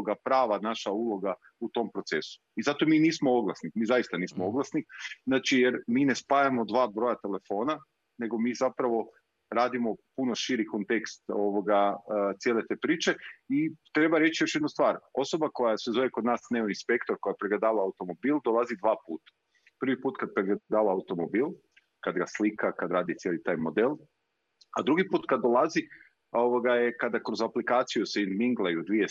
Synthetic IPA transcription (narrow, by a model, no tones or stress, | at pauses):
oɡapɾaːʋanaʃaulˠo̞ɡa | ut̪o̞mpɾo̞t̪se̞su̥izat̪omiːniːsmooɡlˠasnixmiːzajist̪aniːsmoo̞ɡlˠasniznaːt͡ʃijeɾmiːne̞spajamo̞d̪ʋaːbɾo̞jat̪e̞le̞fo̞ːna | ne̞ɡo̞miːzapɾaʋo̞ | ɾaːd̪imo̞puno̞ʃiɾiko̞nt̪e̞kst̪o̞ʋoɡat̪sje̞let̪e̞ːpɾiːt͡ʃe̞it̪ɾe̞baɾe̞t͡ʃjo̞ʃje̞d̪nust̪ʋaːɾo̞so̞bako̞jasʋezoʋjekod̪naːsneoinspe̞kt̪oɾko̞japɾeɡled̪aːʋaːut̪o̞mo̞biːlˠd̪o̞lˠazid̪ʋaːpuːt̪ḁ | pr̩ʋipuːt̪kad̪̚pɾeɡed̪aːʋaːut̪o̞mobiːlˠ | kad̪ɡaslikakad̪ɾaːd̪it̪sjelit̪aːjmod̪elˠ | ad̪ɾuɡipuːt̪kad̪ːolˠazi | o̞ʋoɡajekad̪akɾozaplikaːt̪sijuseinmiŋɡlˠajud̪ʋie